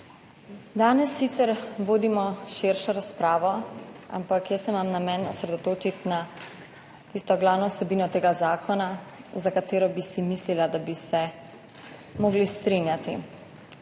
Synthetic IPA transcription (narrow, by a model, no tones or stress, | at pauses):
d̪aːnɛsːit̪sɛɾʋoːd̪imɔʃeɾʃɔɾaspɾaːʋɔa̰mpakjəsɛmamnamɛnɔsɾɛd̪ɔt̪oːt͡ʃit̪na | t̪ist̪ɔɡlaːwnɔwsɛbiːnɔt̪eːɡazaːkʰɔnazakat̪eːɾɔbisimislilad̪abisɛ | moɡlist̪ɾinjat̪i